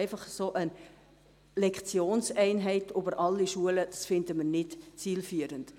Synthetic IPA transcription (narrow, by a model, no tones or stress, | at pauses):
ɪfɑχsoːʔə | lɛkχt͡sjoːnsɛɪnɦɛɪtʰʏbəɾʔɑlːiʃuələd̥ɑsfɪndəməɾnɪtt͡siːlfyəɾənt